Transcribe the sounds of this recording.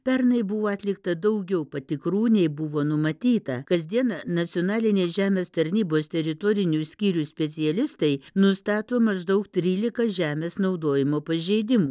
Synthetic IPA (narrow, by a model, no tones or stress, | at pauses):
pʲɛɾnɐɪbʊʋoːɐt̪ʲlʲɪkt̪ɐd̪ɐʊɡʲɛʊpɐt̪ʲɪkɾuːnʲɛɪbʊʋoːnʊmɐt̪ʲiːt̪ɐ̰kɐzʲd̪ʲiɛnɐnɐsʲɪjonɑːlʲɪnʲeːʒʲæːmʲeːst̪ɐɾʲnʲiːboːst̪ʲɛɾʲɪt̪oːɾʲɪnʲuːsʲkʲiːɾʲusʲpʲɛt̪sʲɪɛlʲɪst̪ɐɪnʊst̪ɑːt̪oːmɐʒd̪ɐʊkt̪ʲɾʲiːlʲɪkɐʒʲæːmʲeːsnɐʊd̪oːjɪmoːpɐʒʲeɪd̪ʲɪmuː